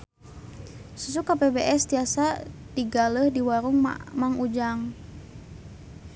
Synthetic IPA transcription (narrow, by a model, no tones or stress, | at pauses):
susukapebeʔɛst̪iasa | diɡaləhdiwaɾuŋmaŋud͡ʒaŋ